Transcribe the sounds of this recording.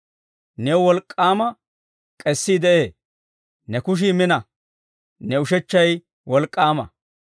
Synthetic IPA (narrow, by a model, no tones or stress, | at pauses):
nɛwwɔlkʼːaːmɐ | kʼɛsːid̪ɛʔe̞ː | nɛkʊʃ̬imɪnɐ | nɛʊʃɛt͡ʃːɐj | wɔlkʼːaːmɐ̰